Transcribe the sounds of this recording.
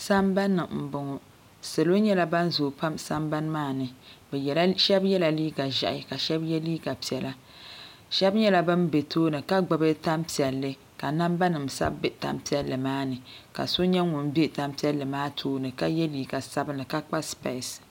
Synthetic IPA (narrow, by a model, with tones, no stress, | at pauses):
sa˦mba˦nːɨ˨m̩˨bʊ˨ŋɔ˨ | sɨ˨lo˦ɲɛ˦la˦ba˦n˦zo˨pa˦msa˦mba˦nmaː˦nɨ˨bʃɛ˦bjɛ˦la˨liː˦ɡa˨ʒa̰˨ʔɪ˨ka˨ʃɛ˦bjɛ˦liː˦ɡa˨pi˨ɛ˨la˦ | ʃɛ˦bɲɛ˦la˦bɨ˦mbe˨tʰoː˦nɨ˨ka˦ɡ͡bɨ˨bɨ˦ta˦mpi˨ɛ˨lːɨ˦ | ka˨na˦mba˦nɨ˨msa̰˦bbe˦ta̰˦mpi˦ɛ˦lːɨ˨maː˦nɨ˨ka̰˨so˦ɲɛ˦ŋʊ˨n˦be˦˨ta˦mpi˦ɛ˦lːɨ˨maː˦tʰoː˦nɨ˨ka˦jɛ˦liː˨ɡa˨sa˦bɨ˦nɨ˨ka˦k͡pa˦spa˨˦˨s